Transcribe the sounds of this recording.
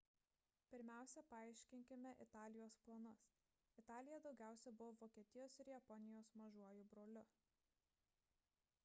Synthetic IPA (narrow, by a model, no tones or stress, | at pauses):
pʲɪɾʲmʲæˑʊsʲɛpɐɑˑɪʃʲkʲɪŋʲkʲɪmʲɛʔɪt̪ɑːlʲɪjoːsplˠɐnʊs | ɪt̪ɑːlʲɪjɛd̪ɒʊɡʲæˑʊsʲɛbʊʋoːʋoːkʲiɛt̪ʲɪjoːsɪɾjɛpɔnʲɪjoːsmɐʒuɔjuːbɾoːlʲʊ